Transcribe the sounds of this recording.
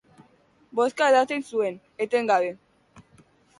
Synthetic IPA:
boskaeðat̪ensuen | et̪eŋɡaβe

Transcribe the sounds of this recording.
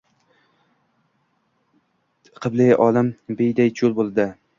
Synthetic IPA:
qʰɨblɪjʔɒlɪmbejd̪ajt͡ʃʰolˠbolˠd̪ɪ

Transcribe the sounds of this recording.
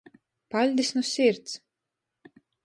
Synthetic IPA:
palʲd̪isnʊsʲiɾt̪s

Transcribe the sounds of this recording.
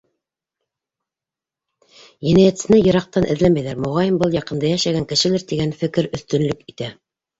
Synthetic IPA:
jɘ̆næjæt̪sɘ̆nɘjɤ̆ɾɑq̚t̪ɑnʔɘ̆ðlænmːæjðæɾmŏʁɑjɤmbɤlˠjɑqɤ̆nd̪ɑjæʃæɡæŋkɘ̆ʃɘ̆lɘɾt̪iɡænfɘ̆kɘɾɵ̆θt̪ɵ̆nlɵkit̪æ

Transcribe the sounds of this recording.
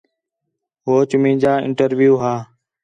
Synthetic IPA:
ɦoːt͡ʃʊmĩːd͡ʒaːɪ̰ɳʈəɾʋjuːɦaː

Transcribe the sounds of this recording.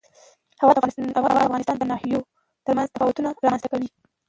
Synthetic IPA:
hawɑd̪aafɣɑnɪst̪ɑnd̪ənɑhijo | t̪əɾmanzt̪afɑwat̪unaɾɑmanz̥t̪akawi

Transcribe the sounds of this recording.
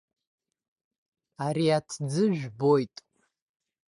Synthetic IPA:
aɾiatʰd͡zɨʒᶣbo̞jtʼ

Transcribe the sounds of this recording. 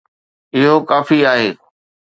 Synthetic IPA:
ɪɦokaːfiaːɦeː

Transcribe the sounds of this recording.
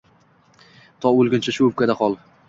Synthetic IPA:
t̪ʰɒolˠɡʲɪnt͡ʃʰaʃʊʊp̚kʲad̪aχɒlˠ

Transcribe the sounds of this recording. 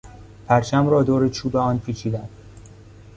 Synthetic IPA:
pʰæɾt͡ʃʰæmɾɒːd̪oːɾet͡ʃʰuːbeɒːnpʰiːt͡ʃʰiːd̪ænd̪

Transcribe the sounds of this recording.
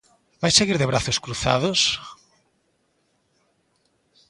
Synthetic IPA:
bajseɣiɾðɪβɾaθoskɾuθa̰ðʊs

